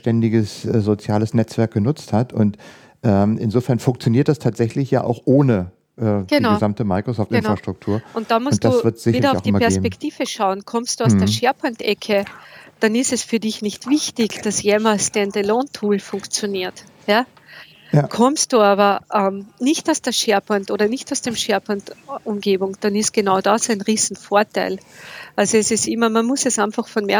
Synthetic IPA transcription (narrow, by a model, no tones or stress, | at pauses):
tɛndɪɡəszot͡sjaːləsnɛt͡sv̥ɛɐk̚ɡ̥ənʊt͡sthatʰʊnt | ʔɛːmʔɪnzoːfɛɐnfʊŋk̚t͡sjoniːɐt̚d̥astʰaːtz̥ɛçlɪçja̰ːʔaʊxʔoːnə | ʔɛːɡ̥əninɡʊzamtəmaɪkʁosɔːftɪnfʁaʃtʁ̥ʊk̚tʰuːɐʊntd̥amʊsʊnt̚d̥asvɪɐtz̥ɪçidɐʊʊd̥imapɛɐsːpɛktiːvəʃaʊənkʰɔmstd̥uːaʊsd̥eːɐʃɛɐpʰʊŋtɛkʰəd̥anɪstɛsfyːɐdɪçnɪçtv̥ɪçtɪçd̥asjeːmalstɛndelɔ̃ntʰuːlfʊ̃ŋkt͡sjoniːɐt | jaː | kʰɔmstd̥uːaːβɐʔɛmnɪçtaʊsd̥eːɐʃɛɐpʰɔntoːɾɐnɪçtaʊsd̥emʃɛɐpʰʊntʔʊ̃mɡeːbʊŋd̥ɑnɪsɡ̥enaʊdɑsæ̃ɪnʁiːz̥n̩foːɐtʰaɪlʔalzoɛsɪstɪmɐmanmʊsɛsæ̃ɪnfɐxfɔnmɛɐ